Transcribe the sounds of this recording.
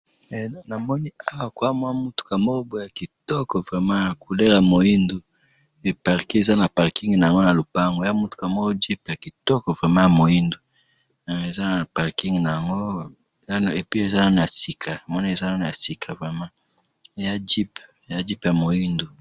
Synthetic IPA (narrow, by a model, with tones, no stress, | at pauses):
na˨mɔ˦ni˦a˦wa˨kwa˦mwa˦mu˦tu̥˨ka˨mo˦o˦bo˨˦ja˨ki˨tɔ˦kɔ˨vʁe˨mã˦ja˨ku˨le˦ʁa˨mo˨ji˦ndu˨ | e˨pa˨ʁki˦e˨za˦na˨pa˨ʁki˦ŋɡna˨ja˨ŋɡo˦na˨lo˨pa˦ŋɡo˨ja˦mu˦tu̥˨ka˨mo˦o˦d͡ʒi˦pja˨ki˨tɔ˦kɔ˨vʁe˨mã˦ja˨mo˨i˦ndu˨ | e˨za˦na˨pa˨ʁki˦ŋɡna˨ja˨ŋɡo˦˨ | ja˦ne˨pi˦e˨za˦na˦n˨a˨si˨kʰa˨na˨mɔ˦ni˦e˨za˦na˦n˨a˨si˨kʰa˨vʁe˨mã˦˨˦ | ja˦d͡ʒi˦p | ja˦d͡ʒi˦pja˨mo˨ji˦ndu˨